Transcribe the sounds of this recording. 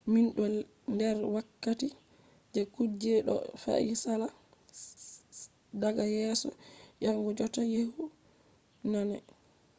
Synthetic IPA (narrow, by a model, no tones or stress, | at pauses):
minɗɔl | ndɛɾwakːati | d͡ʒɛkud͡ʒɛɗɔ̰fa̰ʔisala | daɡajɛːsɔjaŋɡɔd͡ʒɔtajehu | nanɛ